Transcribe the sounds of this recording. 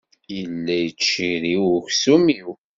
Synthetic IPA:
jəlːæjət͡ʃːiɾiwʊçsumiw

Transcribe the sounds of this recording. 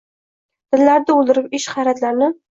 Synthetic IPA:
d̪̥ɪlːaɾd̪aʊlˠd̪ɪɾɪpɪʃχɑɾat̪laɾnɪ

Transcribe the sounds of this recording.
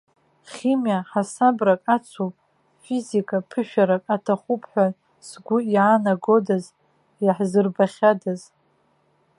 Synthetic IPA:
χʲimjaħasabrakʼat͡sʷʰu | fizikʼapʰɨʃᶣaɾakʼatʰaχʷupʰħʷᶣa | sɡʷʊiʕanaɡo̞daz | jaħzɨrbaχʲadaz

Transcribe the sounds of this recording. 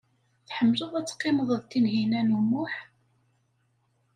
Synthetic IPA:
θħəmːləðˤæt͡sːqːɪməðˤəðt̪ːinɦinænumʊħ

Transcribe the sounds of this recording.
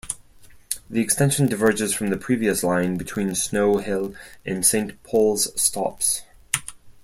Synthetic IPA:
ðiɨkstɛ̃nʃɨ̃n̩dɨvɜ˞d͡ʒɨz̥fɹʌ̃mðɨpʰɹ̥iviɨslãɪ̃nbɨtʰw̥ĩnsnoʊhɪlˠʔɨ̃nsẽɪ̃npʰɔlˠz̥stʰɑ̰ps

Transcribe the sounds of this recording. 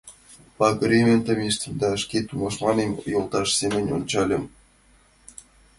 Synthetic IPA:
pɑkrʲemʲent̪ɑmʲeʃt̪ə̆md̪ɑə̆ʃkʲet̪umɑʃmɑnemʲjolˠt̪ɑʃsemʲə̆nʲo̰nt͡ɕɑlʲə̆m

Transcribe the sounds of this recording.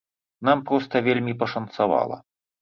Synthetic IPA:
nampɾɔst̪ɐvʲelʲmʲipɐʂɐnt̪sava̰lˠɐ̰

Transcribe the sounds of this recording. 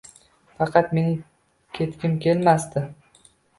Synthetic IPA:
fɑqʰɑt̪me̞nɪ | kʲʰe̞t̪kʲɪmkʲe̞lmast̪ɪ

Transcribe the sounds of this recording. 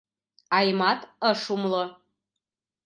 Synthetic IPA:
ɑjmɑt̪əʂumlo

